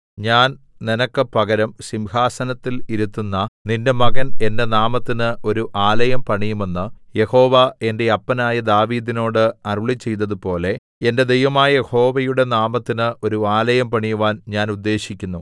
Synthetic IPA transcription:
ɲaːn | ninɐkːɨpɐɡɐɾɐmsimhaːsɐnɐt̪ːiliɾut̪ːunːɐninde̞mɐɡɐne̞nde̞naːmɐt̪ːinɨʔo̞ɾuʔaːlɐjɐmpɐɳijume̞nːɨje̞ho̞ːʋɐe̞nde̞ɐpːɐnaːjɐd̪aːʋiːd̪ino̞ːɽɨɐruɭit͡ɕːe̞jt̪̬ːɐðɨpo̞ːle̞ | ende̞d̪ejʋɐmaːjɐjeho̞ːʋɐjuɽe̞naːmɐt̪ːinɨo̞ɾuaːlɐjɐmpɐɳijuʋaːnɲaːnud̪ːe̞ːɕikʲːunːu

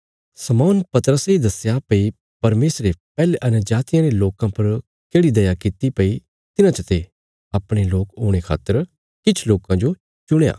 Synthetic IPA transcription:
sɐmɔːnpɐt̪əɾəseid̪ɐsjapɐi | pɐɾmeːsɾepɛːleʔɐnəd͡ʒaːt̪ɪjãɾeloːkãpɐɾ | keːɽid̪ɐjakɪt̪ipɐi | t̪ɪnãt͡ʃɐt̪e | ɐpɽ̃eloːkoːɽ̃ekʰa̰ːt̪ːəɾ | kɪt͡ʃʰloːkãd͡ʒo | t͡ʃʊɽ̃ja̰ː

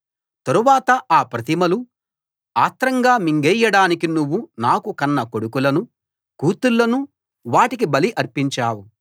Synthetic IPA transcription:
t̪ɐɾuʋaːt̪ɐʔaːpɾɐt̪imɐlu | aːt̪ɾɐŋɡaːmiŋɡɛjːɐɽaːnikinuʋːunaːkukɐnːɐko̞ɽukulɐnu | kuːt̪ulːɐnu | ʋaːʈik̬ibɐliʔɐɾpiɲt͡ʃaːwu

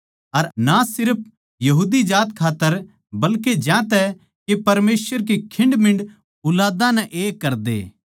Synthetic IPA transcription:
ɐɾnasɪɾəp̚ʰ | jɐɦuːd̪id͡ʒaːt̪kʰaːt̪ːəɾ | bɐlked͡ʒjãːt̪ɛ | kepɐɾmeːsʋəɾk̬ekʰɪ̃ɳɖmɪ̃ɳɖ | ʊlaːd̪ãnɛʔeːkːɐɾd̪ḛː

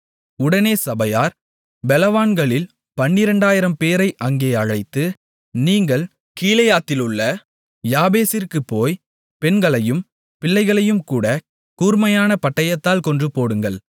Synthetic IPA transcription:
ʊɽɐneːsɐbɐjaːɾ | bɛlɐʋaːnɡɐɭɪl | pɐɳːɪɾɐɳɖaːjɪɾɐmpeːɾɐɪʔɐŋɡeːɐɻɐɪt̪ːɯ | niːŋɡɐɭ | kiːlɐjaːt̪ːɪlɯɭːɐ | jaːbeːsɪɾkɯpːoːj | pɛnɡɐɭɐjɯm | pɪɭːɐɪɣɐɭɐjɯmkuːɽɐ | kuːɾmɐjaːnɐpɐʈːɐjɐt̪ːaːlkɔndrɯpoːɽɯŋɡɐɭ

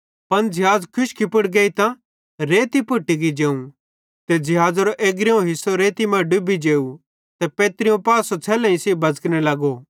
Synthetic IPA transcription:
pɐnd͡ʒɪɦaːd͡zkʰʊʃkʰipʊɽɡeːit̪ã | ɾeːt̪ipʊʈːiɡid͡ʒeːũ | t̪ed͡zɪɦaːd͡zɾoʔeːɡɾeõɦɪsoɾeːt̪imãːɖʊbid͡ʒeːu | t̪ɛpeːt̪ɾijõpaːsot͡sʰɛːlɐ̃ĩseːbɐd͡zknelɐɡoː

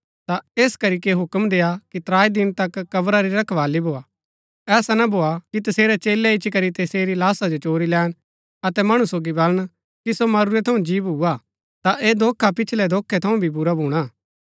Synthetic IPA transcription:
t̪aeːskɐɾik̬eɦʊkmd̪eːakit̪ɾaːid̪ɪnt̪ɐkːɐbɾaɾiɾɐkʰʋaːlibʱoːa | ɛːsanɐbʱoːakit̪ɐseːɾɛt͡ʃeːlɛɪt͡ʃʰikɐɾit̪eːseːɾilaːsad͡ʒot͡ʃoːɾilɛːɽ̃ | ɐt̪ɛmɐɽ̃usoːɡibɐləɽ̃ | kisomɐɾuɾɛt̪ʰɐũd͡ʒiːbuːa | t̪aʔeːd̪ʱoːkʰːapɪt͡ʃʰlɛd̪ʱoːkʰːɛt̪ʰɐũbʱibʊɾabʱuːɽ̃aː

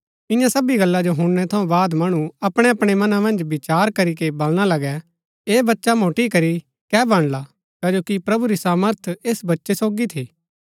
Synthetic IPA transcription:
ɪ̃jãsɐbiɡɐlːad͡ʒoɦʊ̃ɽɽ̃ɛt̪ʰɐũbaːd̪mɐɽ̃ũɐpɽ̃eɐpɽ̃emɐnãmɐ̃nd͡ʒbɪt͡ʃaːɾkɐɾikebɐlɽ̃alɐɡɛ | eːbɐtːʃamoːʈikɐɾi | kɛːbɐ̃ɽ̃la | kad͡ʒoːkipɾɐbuɾisaːməɾt̪ʰeːsbɐtːʃesoːɡit̪ʰiː

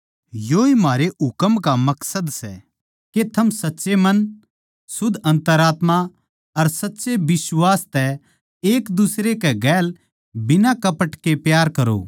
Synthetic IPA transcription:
joːimaːɾeʊkəmkamɐksəd̪sɛ̰ | ket̪ʰɐmsɐtːʃemɐn | sʊd̪ʱɐ̃nt̪əɾaːt̪ma | ɐɾsɐtːsebɪswaːst̪ɛ | eːkd̪ʊsɾekɛɡɛːl | bɪnakɐpəʈkepjaːɾkɐɾo̰

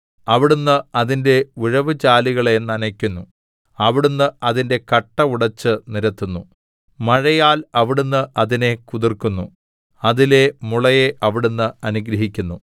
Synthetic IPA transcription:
ɐʋiɽunːɨɐðinde̞uɻɐʋɨt͡ɕaːliɣɐɭe̞nːɐnɐkʲːunːu | ɐʋiɽunːɨɐðinde̞kɐʈːɐuɽɐt͡ɕːɨniɾɐt̪ːunːṵ | mɐɻɐjaːlɐʋiɽunːɨʔɐðine̞kuðirkunːu | ɐðile̞muɭɐjeʔɐʋiɽunːɨɐnuɡɾɐɦikʲːunːu

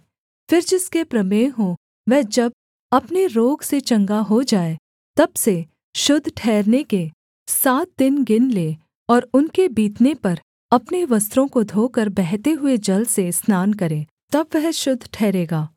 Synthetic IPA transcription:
fɪɾd͡ʒɪskepɾɐmeːɦõ | ʋɛɦd͡ʒɐb̚ | ɐpneɾoːɡset͡ʃɐ̃ŋɡaɦod͡ʒaːe | t̪ɐbse | ʃʊd̪ʱʈʰɛːɾneke | saːt̪̚d̪ɪnɡɪnleː | ɔːɾʊnkebiːt̪nepɐɾ | ɐpneʋɐst̪ɾõkod̪ʱoːkəɾbɛɦt̪eɦʊed͡ʒɐlsesnaːnkɐɾẽː | t̪ɐbʋɛɦʃʊd̪ʱːʈʰɛːɾeːɡaː

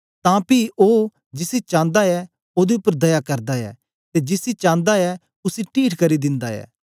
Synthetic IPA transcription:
t̪ãːpiʔoː | d͡ʒɪsit͡ʃãːnd̪aɛ | oːd̪eʊpːəɾd̪ɐjakɐɾd̪aɛ̰ː | t̪ed͡ʒɪsit͡ʃãːnd̪aɛ | ʊsiʈiːʈʰkɐɾid̪ɪ̃nd̪aɛ̰ː

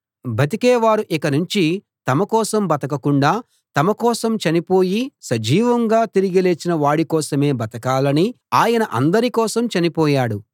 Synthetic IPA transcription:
bʱɐt̪̬ikɛːʋaːɾuʔikɐnuɲt͡ʃi | t̪ɐmɐkɔːsɐmbɐt̪ɐkɐkuɳɖaː | t̪ɐmɐkɔːsɐmt͡ʃɐnipoːjisɐd͡ʒiːʋɐŋɡaːt̪iɾiɡile̞ːt͡ʃːinɐʋaːɽikɔːsɐme̞ːbɐt̪ɐkaːlɐni | aːjɐnɐʔɐ̰nd̪ɐɾikɔːsɐmt͡ʃɐnipɔːjaːɽu

